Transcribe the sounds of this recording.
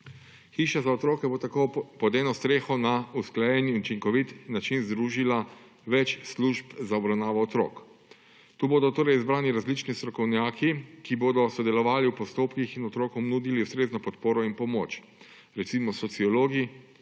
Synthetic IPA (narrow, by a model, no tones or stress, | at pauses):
xiːʃazaɔt̪ɾoːkɛbot̪akopɔd̪ɛːnɔst̪ɾeːxɔnausklajɛniut͡ʃiŋkɔʋit̪nat͡ʃinzd̪ɾuːʒila | ʋɛt͡ʃsluʒpzaɔbɾawnaːʋɔːt̪ɾo̰ːk | t̪uːboːd̪ɔt̪oːɾɛjizbɾaːniɾazlit͡ʃnist̪ɾɔkɔwnjaːkikiboːd̪ɔsɔd̪ɛlɔʋaːliwpɔst̪oːpkixinɔt̪ɾoːkɔmnud̪iliust̪ɾeːznɔpɔt̪poːɾɔinpɔmoːt͡ʃ | ɾɛt̪siːmɔsɔt̪siɔloːɡi